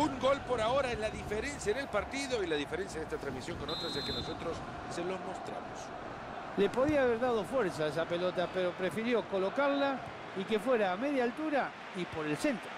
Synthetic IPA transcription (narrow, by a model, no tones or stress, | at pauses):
uŋɡo̞lpo̞ɾaoɾaenlaðifeɾe̞nsjaene̞lpaɾt̪iðo̞ilaðifeɾensjaenest̪at̪ɾamisjo̞ŋkonot̪ɾasekenoso̞t̪ɾosː | elo̞zmost̪ɾa̰mos | le̞po̞ðiaːβeɾðað̞o̞fwe̞ɾsaes̬apelo̞t̪ape̞ɾo̞pɾe̞fiɾjo̞ko̞lo̞kaɾla | ike̞fwe̞ɾaːme̞ðjaːlt̪uɾa | ipo̞ɾe̞lse̞nt̪ɾo